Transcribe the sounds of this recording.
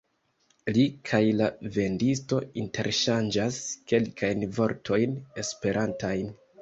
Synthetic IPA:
likʰajlave̞ndisto̞inte̞ɾʃand͡ʒaske̞lkʰajnvo̞ɾtʰo̞jne̞spe̞ɾʔantajn

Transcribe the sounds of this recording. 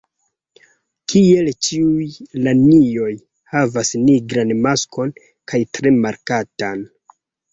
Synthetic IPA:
kʰie̞lt͡ʃiujlanio̞j | havasniɡɾanmasko̞n | kajtɾe̞maɾkatan

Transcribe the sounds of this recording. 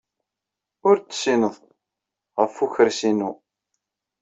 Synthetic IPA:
ʊɾt͡sːsinəðˤ | ʁəfːuçəɾsinu

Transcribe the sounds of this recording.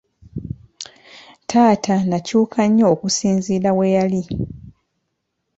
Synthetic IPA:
tʰaːtʰanacuːkʰaɲːoːkusiːnziːɾawejali

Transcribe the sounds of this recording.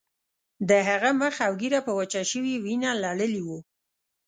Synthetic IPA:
d̪əɦaɣaməxawɡiɾapəwat͡ʃaʃəwiwinalaɽəliwu

